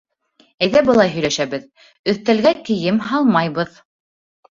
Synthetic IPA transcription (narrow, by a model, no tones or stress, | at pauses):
æjðæbɤ̆lˠɑjɦɵ̆jlæʃæβɘð | ɵ̆θt̪ælɡæk̪ɘ̆jɘmɦɑlˠmɑjβɤð